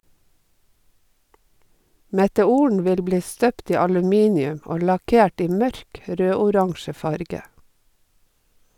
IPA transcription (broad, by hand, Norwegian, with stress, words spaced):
mɛtɛˈuːəɳ ˈʋɪl ˈbliː ˈstøːpt ˈiː ɑlʉˈmiːnɪʉm ˈɔ lɑˈkeːʈ ˈiː ˈmœɾk ˈɾøːʊˌɾɑŋʃə ˈfɑɾɡə